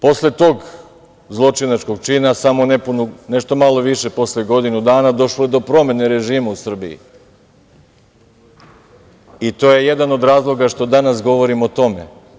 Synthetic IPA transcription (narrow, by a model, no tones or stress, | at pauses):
po̞sle̞t̪o̞ɡ | zlˠo̞t͡ʃinat͡ʃko̞ɡ̚t͡ʃiːnasamo̞nepunune̞ʃt̪o̞malo̞ʋiʃe̞po̞sleɡo̞d̪inud̪aːnad̪o̞ʃloed̪o̞pɾo̞me̞ne̞ɾe̞ʒiːmausr̩bḭḭ | it̪o̞ːje̞je̞d̪ano̞d̪ɾaːzlˠo̞ɡaʃt̪o̞d̪anasɡo̞ʋo̞ɾimot̪o̞me̞̰